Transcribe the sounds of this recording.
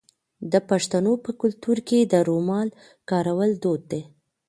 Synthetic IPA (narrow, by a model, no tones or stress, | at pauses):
d̪əpaʂt̪anopəkʊlt̪uɾked̪əɾomɑl | kɑɾawəld̪od̪̚ːe